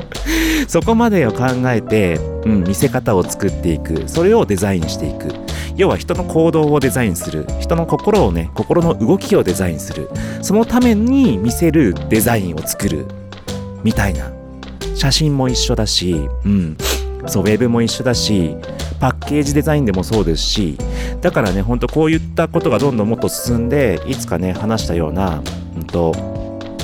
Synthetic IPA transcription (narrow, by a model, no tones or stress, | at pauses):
so̞ko̞mad̪e̞jokãŋɡae̞t̪e̞ɯ̟̃ɴmʲise̞kat̪ao̞t͡sɨ̥kɯt̪ːe̞ikɯ̟̰so̞ɾe̞o̞d̪e̞zaĩɕi̥t̪e̞ikɯ̟̰jo̞ːβaçi̥t̪o̞no̞kʰo̞ːd̪o̞ːd̪e̞zaĩɰ̃sɨɾɯ̰çi̥t̪o̞no̞ko̞ko̞ɾo̞ːne̞ko̞ko̞ɾo̞no̞ʔɯ̟ɡo̞kʲio̞d̪e̞zaĩɰ̃sɨɾɯ̟̰so̞no̞t̪ame̞ɲ̟imʲise̞ɾɯ̟d̪̥e̞zaĩɰ̃o̞t͡sɨ̥kɯ̟ɾɯ̟̰ | mʲit̪aina̰ | ɕaɕĩmmːo̞iɕːo̞d̪aɕiɯ̟̃ɴso̞ːβe̞bɯ̟mo̞iɕːo̞d̪aɕipakːe̞ːʑid̪e̞zaĩnd̪e̞mo̞so̞ːd̪e̞sɨ̥ɕḭd̪̥akaɾane̞ɦo̞nt̪o̞ko̞ːjɯ̟t̪ːako̞t̪o̞ɡad̪õ̞nd̪o̞mo̞t̪ːo̞sɨ̥sɨ̃nd̪e̞it͡sɨ̥kane̞hanaɕi̥t̪ajo̞̰ːna | ɯ̟̃nt̪o̞